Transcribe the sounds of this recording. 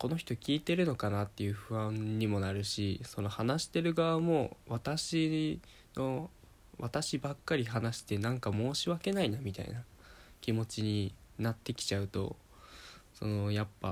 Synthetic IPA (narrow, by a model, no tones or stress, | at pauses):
ko̞no̞çʲi̥t̪o̞kʲiːt̪e̞ɾɯ̟no̞kanat̪ːe̞jɯ̟ɸɯ̟βãɲɲimo̞naɾɯ̟ɕiso̞no̞hanaɕi̥t̪e̞ɾɯ̟ɡaβamo̞βat̪aɕi | no̞ | βat̪aɕibakːaɾʲiɦanaɕi̥t̪e̞nãŋkamo̞ːɕiβake̞nainamʲit̪a̰ḭna | kʲimo̞t͡ɕiɲ̟inat̪ːe̞kʲi̥t͡ɕaɯ̟t̪o̞̰ | so̞̰no̞japːa̰